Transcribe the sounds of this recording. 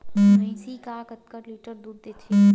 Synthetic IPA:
nɐĩsikaːkət̪̚kəɾliːʈəɾd̪ud̪d̪et̪ʰe

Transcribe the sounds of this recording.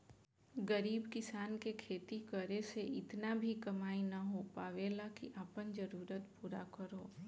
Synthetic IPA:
ɡəɾiːbkɪsaːnkekʰeːt̪ikəɾeseʔɪt̪nabʱikɐmaːinɐɦopaːʋelakiʔaːpənd͡ʒəɾuːɾət̪puːɾakəɾoː

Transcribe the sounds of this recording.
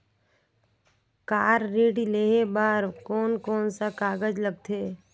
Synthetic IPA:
kaːɾːeːɖileːɦebaːɾkoːnkoːnsakaːɡəd͡ʒləb̚t̪ʰeː

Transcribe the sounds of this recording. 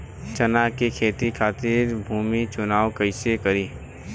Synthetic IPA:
t͡ʃənakekʰeːt̪ikʰaːt̪ɪɾbʱuːmit͡ʃʊnaːʋkəɪsekəɾiː

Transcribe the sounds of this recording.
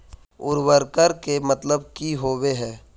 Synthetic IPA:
ʊɾwəɾkəɾkemət̪ləbkiɦoːweɦɛː

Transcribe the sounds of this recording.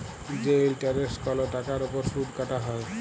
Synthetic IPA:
d͡ʑelʈaɾeskɔloʈakaɾupɔɾsuʈkaʈaɦɔe

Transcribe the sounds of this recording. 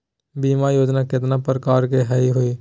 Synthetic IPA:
biːmajoːd͡ʒnakɪt̪napɾəkaːɾkeɦɛiɦoiː

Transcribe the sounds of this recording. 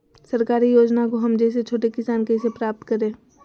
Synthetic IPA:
sɐɾkaːɾijoːd͡ʒnakoɦɐmd͡ʒɛːs̬et͡ʃʰoːʈekɪsaːnkeɪsepɾaːp̚t̪kɐɾẽː

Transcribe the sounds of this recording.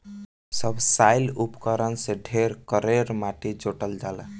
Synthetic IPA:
səbʱsaɪlupkəɾənseɖʱeɾkəɾeɾmaʈid͡ʒoʈəld͡ʒaːlə

